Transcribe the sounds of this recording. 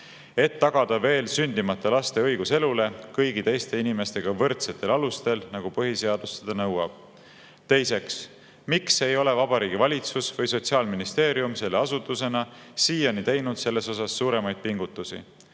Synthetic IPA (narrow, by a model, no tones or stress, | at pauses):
e̞t̪ːɑɡ̥ɑd̪̥ɑve̞ːlsynd̪̥imɑt̪ːˑelɑst̪e̞ɤjɡ̥use̞lule̞kɤjɡ̥it̪e̞jst̪e̞inime̞st̪e̞ɡ̥ɑvɤrt̪set̪ːˑe̞lɑlust̪e̞lnɑɡ̥upɤɦise̞ɑd̪̥ust̪ed̪̥ɑnɤwɑb̥̚ | t̪e̞jse̞ks | mikse̞jo̞le̞vɑbɑɾiːɡ̥ivɑlʲit̪susvɤjso̞t̪ʲsiɑːlminist̪e̞ːɾiumse̞lːe̞ɑsut̪ːˑuse̞nɑsiːjɑnit̪e̞jnud̪̥se̞lːe̞so̞sɑsːuːɾe̞mɑjd̪̥̚piŋɡ̥ut̪ːˑusḭ